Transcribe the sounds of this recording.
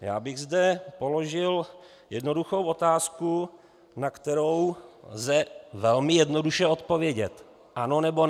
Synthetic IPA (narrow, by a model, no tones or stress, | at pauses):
ja̰ːbɪɣzdɛpo̞lo̞ʒɪl | jɛdno̞duxowʔo̞t̪aːsku | nakt̪ɛɾo̞wlzɛvɛlmɪjɛdno̞duʃɛo̞t̪̚po̞vjɛɟɛt̪ | ʔano̞nɛbo